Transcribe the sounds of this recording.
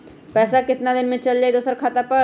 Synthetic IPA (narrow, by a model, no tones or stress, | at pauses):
pɛːsakɪt̪nad̪ɪnmẽt͡ʃɐld͡ʒaːid̪oːsəɾkʰaːt̪apə